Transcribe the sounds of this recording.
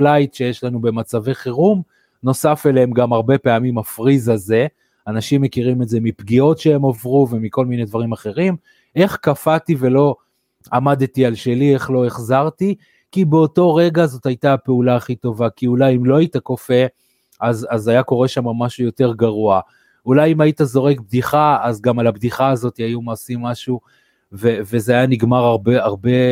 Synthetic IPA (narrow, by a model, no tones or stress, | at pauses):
flajtʃe̞jeʃlanube̞mat͡saveχeʁum | no̞safe̞leemɡamaʁbe̞pe̞amimafʁizaze̞ | anaʃimːe̞kiʁimetze̞mipɡio̞tʃe̞emavʁuve̞miko̞lmined̪vaʁimaχe̞ʁim | e̞χkafative̞lo̞ | amad̪tialʃe̞lie̞χlo̞e̞χzaʁti | kibeo̞to̞ʁe̞ɡazo̞tajtape̞ulaːχit̪o̞vakiulajimlo̞aitako̞fe̞ | azazajako̞ʁe̞ʃamamaʃujo̞te̞ʁɡaʁua | ulajimaitazo̞ʁe̞kb̚d̪iχaazɡamalabd̪iχaːzo̞t̪iajumaːsimːaʃu | vevezeajaniɡmaʁaʁbeaʁbe̞